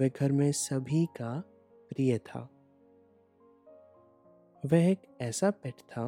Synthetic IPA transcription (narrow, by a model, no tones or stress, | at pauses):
ʋɛɡʱɐɾmẽsɐbʱika | pɾijət̪ʰa̰ː | ʋɛɦek | ɛːsapɛʈʰt̪ʰa